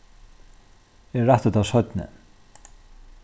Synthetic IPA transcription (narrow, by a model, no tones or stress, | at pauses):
ɛːaht̪ət̪avsœt̪nɪ̰